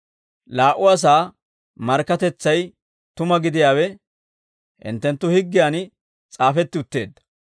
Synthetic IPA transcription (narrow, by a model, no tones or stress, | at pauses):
laːʔʊwaːs̬aː | mɐɾkːɐt̪ɛt͡sːɐj | t̪ʊmɐɡɪd̪ɪjaːwɛ | hɪ̰nt̪ːɛnt̪ːʊhɪɡːɪjaːn | t͡sʼaːfɛt̪ːɪʊt̪ːe̞ːd̪ːɐ̥